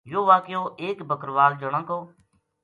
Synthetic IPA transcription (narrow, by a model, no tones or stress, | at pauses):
joːʋaːkjoːʔeːkbʱəkɾʋaːld͡ʒəɽ̃ãːkoː